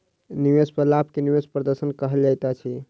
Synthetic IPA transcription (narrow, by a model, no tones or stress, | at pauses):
niwespəlapkeniwespɾəd̪əɾsənkəɦəld͡ʒajt̪at͡ʃʰi